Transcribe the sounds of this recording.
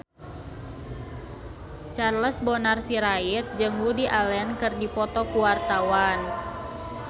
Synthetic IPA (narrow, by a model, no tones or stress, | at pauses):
t͡ʃarləsbɔnarsiɾait̪̚d͡ʒɨŋwudiʔalɛnkɨrdipɔt̪ɔkuwart̪awan